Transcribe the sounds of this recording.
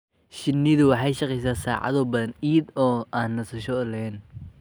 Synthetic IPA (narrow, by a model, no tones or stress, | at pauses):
ʃɪnːiðʊwɑħɑjʃɐqɛjs̬aːsaːʕɑ̰ðɔːbɐðɐniːd̪ɔːaːnːɐsɐʃɔlɛɛn